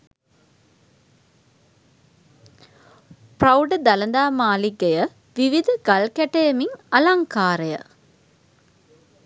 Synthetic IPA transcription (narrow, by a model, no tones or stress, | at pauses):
prɐwɖd̪ɐlɐnd̪aːmaːliɡɐjə | ʋiʋid̪ʱɐɡɐlkɛʈɐjɐmiŋɐlaŋkaːɾɐjə̰